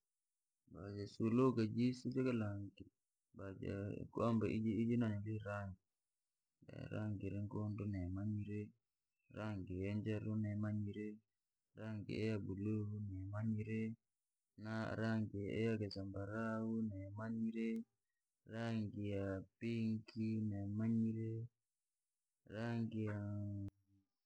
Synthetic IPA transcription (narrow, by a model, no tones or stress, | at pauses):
bad͡ʒasulokad͡ʒisid͡ʒekalaŋɡi | bad͡ʒa̰kuambaʔid͡ʒiid͡ʒinaɲoliɾaŋɡi | da̰ɾa̰ŋɡiɾɛŋkondunɛmaɲiɾe | ɾaŋɡijand͡ʒaɾunɛmaɲiɾe | ɾaŋɡḭɛjabulounɛmaɲiɾe | naɾaŋɡiɛ̰jaɡɛsambaɾawunɛmaɲiɾe | ɾaŋɡijapiŋkinɛmaɲiɾe | ɾaŋɡija